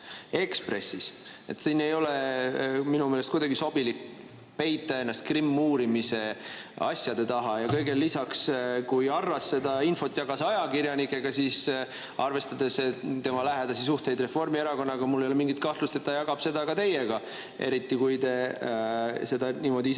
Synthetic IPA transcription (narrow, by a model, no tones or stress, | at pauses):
e̞kspre̞̰sːis | e̞̰t̪siːne̞jo̞le | minumeːlest̪kujd̪ɑɡiso̞b̥ilikː | pe̞jt̪ˑːɑe̞nːɑst̪̚krimːuːɾimise̞ɑ̰sʲjɑd̪̥e̞t̪ɑɦɑjɑkɤjɡe̞lːisɑkskujɑrːɑsːe̞d̪ɑinfo̞t̪ːˑjɑɡɑsɑjɑkiɾjɑnikːˑe̞ɡ̥ɑsiːs | ʔɑrve̞st̪ɑd̪̥e̞st̪ːe̞mɑlæɦed̪ɑsisuht̪e̞jd̪re̞fo̞rmieɾɑko̞nːɑɡ̥ɑmulːejolemiŋɡit̪̚kɑht̪lust̪e̞t̪ːɑjɑɡɑb̥se̞d̪ɑkɑt̪e̞jeɡ̥ɑ | e̞̰ɾit̪ːˑikujt̪e̞ | se̞d̪ɑniːmo̞d̪ii